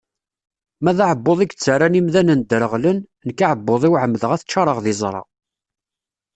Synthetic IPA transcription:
mæðaʕəbːoðˤiɡt͡sːəɾanimðænənd̪ɾəʁlən | nəkːaʕəbːoðˤiwʕəmːðəʁæθət͡ʃːɑɾˤəʁðɪzˤɾˤɑ̰

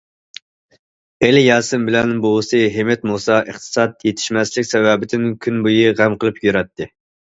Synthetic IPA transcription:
elɪjɑːsɨmbɪlɛnboɨsɨɦemɛt̪musɑʔəχt̪ʰɨ̥sɑd̪jet̪ʰɪ̥ʃmɛslɪkʲsɛwɛbɪd̪ɪnkʲʰynbujiʁæmqəlˠɨpjøɾɛt̪ːɪ

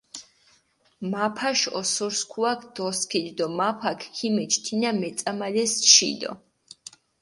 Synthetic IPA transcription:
mapʰaʃɔ̰sɔɾskʰuakʰd̪̥ɔskʰild̪ɔmapʰakʰkʰimɛt͡ʃʰt̪ʰinamɛt̪sʼamalɛst͡ʃʰḭd̪ɔ̰

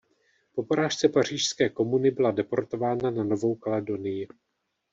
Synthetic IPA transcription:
po̞poɾaːʃt͡sɛpar̝̥iːʃskɛːko̞munɪbɪladɛpo̞ɾt̪o̞vaːnanano̞vo̞wkalɛdo̞nɪjɪ

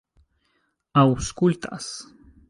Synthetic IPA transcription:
awskʼult̪ʼa̰s

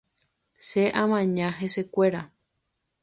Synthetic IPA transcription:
ʃeʔãmãɲãɦese̞kʷe̞ɾa

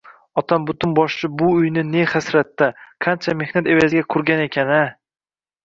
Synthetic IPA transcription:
ɒt̪ʰambʊt̪ʊnbɒʃt͡ʃɪbʊːjnɪne̞χasɾat̪ːaqʰant͡ʃʰame̞hnat̪e̞vazɪɡʲakʰʊɾɡʲane̞kʲʰana

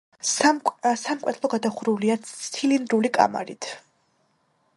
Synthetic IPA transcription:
samkʼɛt̪ʰlˠɔɡad̪aχɾuliat̪t̪ʰilind̪ɾulikʼa̰ma̰ɾḭt̪ʰ

